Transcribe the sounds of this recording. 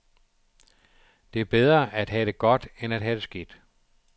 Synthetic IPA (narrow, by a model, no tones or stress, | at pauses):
d̥e̝æɐb̥eð̞ˠʁɐʔæd̥ɦæd̥e̝ɡ̥ɒ̽d̥enæd̥ɦæd̥e̝sɡ̥id̥